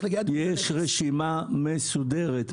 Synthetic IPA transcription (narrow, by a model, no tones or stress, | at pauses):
ɡjeʃʁeʃimamesud̪eʁet̪